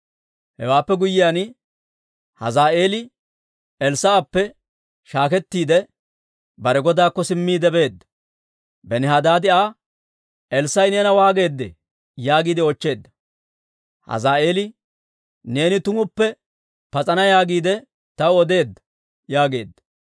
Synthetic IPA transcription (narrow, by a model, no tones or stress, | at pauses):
hɛ̰waːpːɛɡʊjːɪjaːn | hɐ̰zaːʔe̞ːlɪ | ɛlsɐːpːɛ | ʃaːkɛt̪ːiːd̪ɛ | bɐɾɛɡɔd̪aːkːɔsɪmːiːd̪ɛbe̞ːd̪ːɐ̥ | bɛnɪɦaːd̪aːd̪ɪaː | ɛlsɐjneːnɐwaːɡe̞ːd̪ːɛ̰ | jaːɡiːd̪ɛɔt͡ʃːe̞ːd̪ːɐ̥ | hɐ̰zaːe̞ːlɪ | ne̞ːnɪt̪ʊŋʊpːɛ | pɐt͡sʼɐnɐjaːɡiːd̪ɛ | t̪ɐwɔd̪e̞ːd̪ːɐ̥ | jaːɡe̞ːd̪ːɐ̥